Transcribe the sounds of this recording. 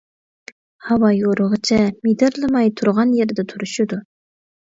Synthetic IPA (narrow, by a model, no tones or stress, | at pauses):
hɑwɑjoɾəʁət͡ʃʰɛmid̪ɪɾlˠɨmɑjt̪ʰuɾʁɑnjeɾd̪ɛt̪ʰuɾuʃud̪u